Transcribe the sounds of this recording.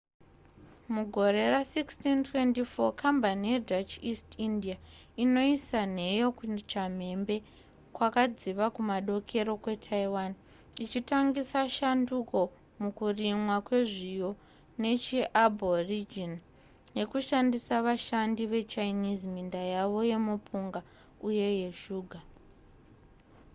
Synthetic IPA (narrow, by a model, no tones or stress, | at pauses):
muɡʱo̞ɾe̞rasikstintʰwe̞ntifo̞kʰambanije̞dʱat͡ʃistindia | ino̞isane̞jo̞kut͡ʃam̤e̞mbe̞ | kwakad͡ziʋakumaɗo̞kʰe̞ɾo̞kwe̞tʰaiwan | it͡ʃitaŋɡisaʃanduko̞ | mukurimwakwe̞ʐijo̞ | ne̞t͡ʃiʔabʱo̞rid͡ʒin | je̞kuʃandisaʋaʃandiʋe̞t͡ʃainizmindajaʋo̞je̞mupʰuŋɡa | uje̞je̞ʃuːɡʱa